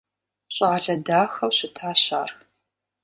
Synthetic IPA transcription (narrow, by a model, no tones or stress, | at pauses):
ɕʼaːɮɐdaːxɐwɕɪtʰaːɕa̰ːrx